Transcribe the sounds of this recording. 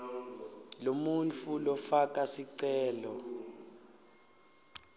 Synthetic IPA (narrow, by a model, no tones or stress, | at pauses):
lomunt͡fʰulɔfak̬ʼasiǀɛːlɔ̰